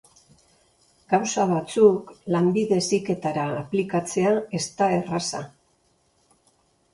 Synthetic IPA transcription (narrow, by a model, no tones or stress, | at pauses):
ɡ̥awsaβ̞at͡suklambiðe̞sike̞t̪aɾaːplikat͡se̞ae̞st̪ae̞rasa